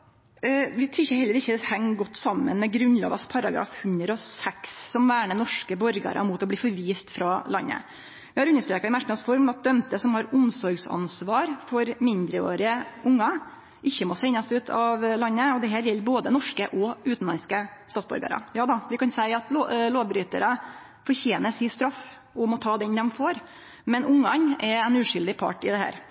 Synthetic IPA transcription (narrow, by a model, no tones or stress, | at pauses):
ʋɪt̪ʰɾʉɪçːəhɛlːəɾɪçːəd̪ɛhɛŋːɡɔt̪ːsɑmːə̰nmɛɡɾʉnlɑ̰ːɡɑspʰɑɾɑɡɾɑ̰ːfhʉnd̪ɾəɔsɛksːɔmʋæːɳənɔʂkəbɔɾɡɑ̰ɾɑ̰mʊt̪ɔbliːfɔɾʋiːst̪fɾɑlɑ̰nːə̰ | ʋɪhɑɾʉnːəʂt̪ɾeːkɑɪmæʂnɑsfɔɾmɑt̪̚d̪œmt̪əsɔmhɑɾʊmsɔɾɡsɑ̰nsʋɑːɾfɔɾmɪnd̪ɾəo̰ːɾɪəʊŋːɑ | ʔɪçːəmɔsæɪnːɑsʉːt̪ʰɑʋlɑnːəɔd̪ɛɦæːɾjɛlːɾboːd̪ənɔʂkəʔɔʉːt̪n̩lɑnskəst̪ɑːt̪sbɔ̰ɾɡɑ̰ɾə̰jɑːd̪ɑʋɪkɑnsæɪɑt̪ːloːbɾyːt̪əɾə | fɔɾçeːnəsɪst̪ɾɑfː | ɔmɔt̪ʰɑːd̪ɛnd̪ɛmfoːɾ | mɛnʊŋːɑɲɛɾɛnʉːʂʏld̪ɪpʰɑ̰ʈɪd̪ɛhæ̰ːɾ